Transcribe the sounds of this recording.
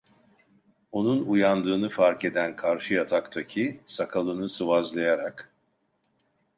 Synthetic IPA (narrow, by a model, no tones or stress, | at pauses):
o̞nunujand̪ɯːnɯfaɾke̞d̪ænkʰaɾʃɯjat̪ʰakt̪ʰacʰisakʰalˠɯnɯsɯvazlˠajaɾak